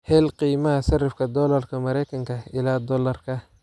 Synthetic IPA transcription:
hɛːlqiːmɐɦɐsɐrɐfkʰɐd̪ɔːlɐrkʰɐmɐɾɛjkʰɐŋkʰɐɪlaːd̪ɔːlɐrkʰɐ

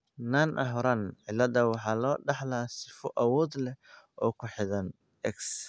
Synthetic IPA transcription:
naːnʔɐ̰ɦɔɾɐnʕɪlːɐðɐwɑħɑːlɔːɖɑħlaːsɪfɔʔɐwɔːd̪lɛʔɔːkʰʊħɪðɐn | ʔɛks

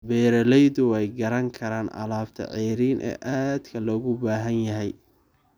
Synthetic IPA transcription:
bɛːɾɐlɛjðʊwɛjɡɐɾɐŋkʰɐɾaːnʔɐ̰laːbt̪ʰɐ̰ʕɛːɾiːnʔɛ̰ːʔaːd̪kʰɐlɔːɣʊbaːɦɐnjɐɦɛj

